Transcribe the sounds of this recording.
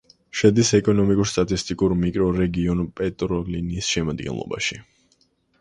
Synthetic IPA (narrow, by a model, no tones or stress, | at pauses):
ʃɛd̪isɛkʼɔnɔmikʼuɾst̪ʼat̪ʼist̪ʼikʼuɾmikʼɾɔɾɛɡiɔnpʼɛt̪ʼɾɔlinisʃɛmad̪ɡɛ̰nlˠɔ̰ba̰ʃi